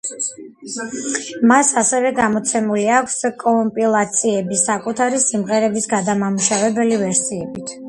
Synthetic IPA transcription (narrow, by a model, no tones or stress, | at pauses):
masasɛvɛɡamɔt̪sʰɛmuliakʰskʼɔmpʼilˠat̪sʰiɛbisakʼut̪ʰaɾisimʁɛɾɛbisɡad̪amamuʃavɛbɛlivɛɾsiɛbit̪ʰ